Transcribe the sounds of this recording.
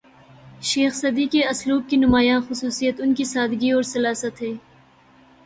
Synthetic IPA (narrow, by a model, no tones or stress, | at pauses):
ʃeːxsɐd̪ikeɐsluːb̚kinʊmaːjãːxʊsuːsijət̪ʊnkisaːd̪ɡiɔːɾsɐlaːsət̪ɦɛː